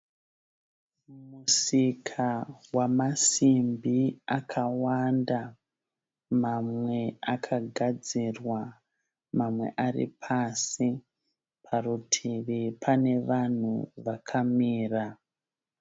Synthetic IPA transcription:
musikʰawamasimbiakʰawanda | mamwe̞akʰaɡʱad͡zirwa | mamwe̞̰ʔarḭpʰasi | pʰarutʰiʋipʰane̞ʋan̤uʋakʰamiːra

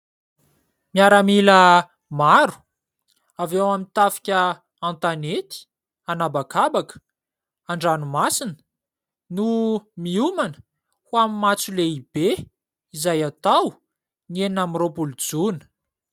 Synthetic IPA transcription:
miaɾamilə | maɾu̥ | avewamit̪afi̥kʲə | ãnt̪anet̪i̥ | anabakabakə̥ | aɳɖ͡ʐanumasinə̥ | numiumanə | huwamimat͡suleib̥e | izajat̪aw | nieninamiropulud͡zunə̥

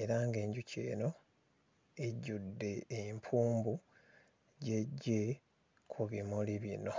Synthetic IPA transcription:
e̞ɾaŋɡe̞ːɲɟucʰe̞̰ːno̞ | eɟudːe̞ːmpʰuːmbu | ɟe̞ɟːe̞ | kʰuβimuliβino̞

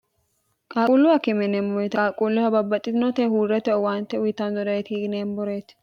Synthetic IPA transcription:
kʼaːulːʊhɐkɪmɛnɛmbɔɾɛt̪kʼaːkʼulːɪhɐbɐbːɐt̪ʼːɪt̪ɪnɔt̪ɛɦuːrɛt̪ɛɔwaːnt̪ːɛʊjɪt̪ːɐnzɔd̪ɐɛt̪iɡneːmbɔɾet̪

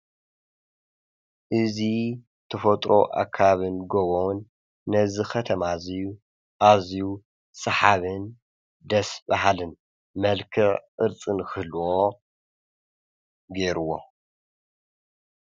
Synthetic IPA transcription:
ʔɨzi | t̪ʰɐfɐt̪ʼɾʔo̞ʔa̰kʰːaβɨnɡoβonː | ɐzɨxɐt̪ʰɐmaziju | ʔaziju | sʼɐħaβɨn | d̪ɐsbaɦalɨn | mɐlkʰɨʕɨɾt͡sʼɨnkɨlo | ɡeɾuwo

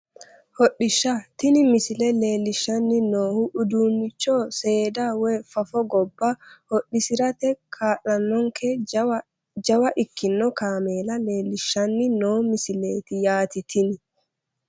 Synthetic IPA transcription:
hɔɗːɪʃːat̪ɪnɪmɪsɪlɛle̞ːlːɪʃːɐnːɪnoːhuʔʊd̪uːnːɪt͡ʃːoːseːd̪aweːfɐfɔɡɔbːɐhɔɗːɪsɪɾɐt̪ɛkʰaːʔɐnːɔŋkʰɛ | d͡ʒɐwɐʔɪkːɪnːɔkaːmeːlɐleːlːɪʃːɐnːɪnoːmɪsɪleːt̪ɪjaːt̪ɪt̪ʰɪnɪ

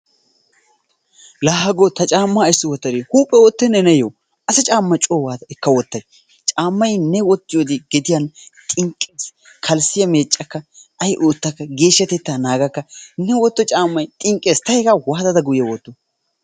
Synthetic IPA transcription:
laːhɐɡot̪ɐt͡ʃʼaːmːɐɪsːɔwɔt̪ːɐɾihuːpʼːɛwot̪ːɛnɛnɛjo | ʔɐsɐt͡ʃʼaːmːɐt͡ʃʼoːwaːd̪ɐɛkːɐwɔt̪ːɐj | t͡ʃʼaːmːɐjnɛwɔt̪ːɪjoːd̪ɪɡɛd̪ɪjant̪ʼɪŋkʼːeːs | kʰɐlsɪjɐme̞ːt͡ʃʼːɐkːɐɐjʔoːt̪ːɐkːɐɡe̞ːʃːɐt̪ɛt̪ːaːnaːɡɐkːɐnɛwɔt̪ːɔt͡ʃʼaːmːɐjt̪ʼɪŋkʼːe̞ːst̪ɐjɛkɐwaːd̪ɐd̪ɐɡʊjjɐwɔt̪ːɔ

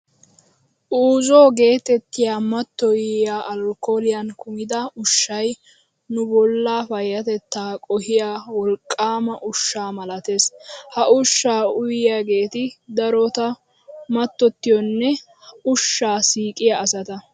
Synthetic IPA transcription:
ʔuːzoːɡe̞ːt̪ɛt̪ːɪjaːmɐt̪ːɔjjaːʔɐlkːo̞ːlɪjɐnkʊmɪd̪ɐʊʃːɐj | nʊbɔlːaːfɐjːɐt̪ɛt̪ːaːkʼɔhɪjaːwɔlkʼːaːmɐʔʊʃːaːmɐlɐt̪e̞ːshɐʔʊʃːaːʊjjaːɡe̞ːt̪ɪd̪ɐɾɔt̪ɐ | mɐt̪ːɔt̪ːɪjɔnːɛ | ʊʃːaːsiːkʼɪjɐːsɐt̪ɐ

